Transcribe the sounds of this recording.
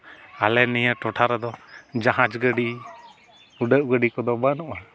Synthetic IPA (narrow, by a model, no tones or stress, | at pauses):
alɛnijəʈɔʈʰaɾɛd̪ɔd͡ʒaɦãd͡ʒɡəɖi | uɖəʔɡəɖikɔd̪ɔbanɔʔa